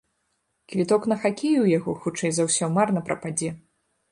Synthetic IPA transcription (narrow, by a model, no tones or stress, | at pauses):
kvʲit̪ɔkn̪ɐxakʲejujaɣɔxut͡ʂɛjzawsʲɔmarnɐpɾɐpad͡zʲɛ